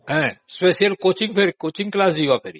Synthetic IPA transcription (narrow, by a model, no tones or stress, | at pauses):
ɦɛ̃speːsijəlkoːt͡ʃĩŋɡpʰeɾikoːt͡ʃĩŋklaːsd͡ʒiːʋapʰeːɾḭ